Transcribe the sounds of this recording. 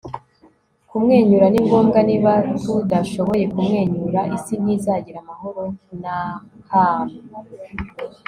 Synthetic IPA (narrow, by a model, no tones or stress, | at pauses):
kumŋe̞ːɲuɾaniŋɡo̞ːmɡaniβatudaʃo̞βo̞je̞kumŋe̞ːɲuɾaʔisin̥izaɟiɾamaɦo̞ɾo̞nahaːmu